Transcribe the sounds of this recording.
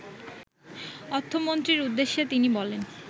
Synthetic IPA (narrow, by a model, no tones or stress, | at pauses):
ɔt̪ʰːomont̪ɾiɾud̪ːeʃːet̪inibɔlen